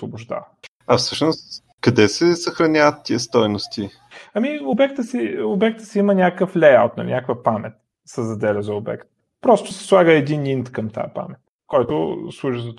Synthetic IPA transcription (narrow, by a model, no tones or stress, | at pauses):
svobʊʒd̪a̰və | ɐfsɤʃnost̪ | kɐd̪ɛsɛsɐxɾɐnʲavət̪ːiəst̪ɔjnost̪i | ɐmiobɛkt̪əsiobɛk̚t̪ə̥sɛimənʲakəflɛjawt̪nɐ̰nʲʔakvəpamɛt̪̚ | səzɐd̪ɛlʲɛzɐobɛ̰kt̪ | pɾɔst̪ʊsɛ̥slˠaɡəɛd̪inint̪kɐmt̪a̰jəpa̰mɛt̪ | kɔjt̪ʊ̰slˠuʒizɐt̪